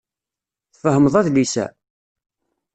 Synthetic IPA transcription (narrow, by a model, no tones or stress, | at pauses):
θfəhəməðˤæðlisæ̰